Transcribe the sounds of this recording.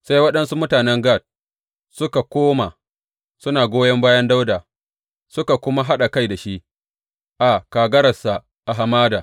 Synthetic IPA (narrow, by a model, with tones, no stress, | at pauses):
sa˦jwɐ˦ɗɐ˦nsu˦mʊ˦taː˨nɛ˦ŋɡa˦˨t̚ | sʊ˦ka˨kʷoː˦ma˨ | sʊ˦naː˨ɡʷoː˦jɐ˦mbaː˦jɐ˦nda˦wdaː˨ | sʊ˦ka˨kʷʊ˦ma˦ɦa˦ɗa˨ka˦jda˨ʃi˦ʔ | ʔa˨kaː˨ɡɐ˦ɾɐ˨sa˨ | ʔa˨ɦa˨maː˦daː˨